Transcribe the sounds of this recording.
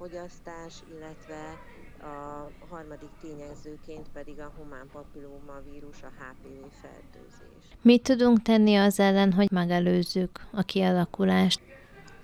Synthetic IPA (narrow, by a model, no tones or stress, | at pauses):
fo̞ɟɒst̪aːʃilːɛt̪ʋɛɒɦɒrmɒd̪ikt̪eːɲɛzøːkeːnt̪pɛd̪iɡɒɦomaːmpɒpiloːmɒviːɾuʃɒhaːpeːveːfɛ̰lt̪ø̰ːzḛːʃmit̪ːud̪uŋkt̪ɛnːiɒzɛlːɛnɦo̞ɟmɛɡɛløːzːykɒkiɒlɒkulaːʃt̪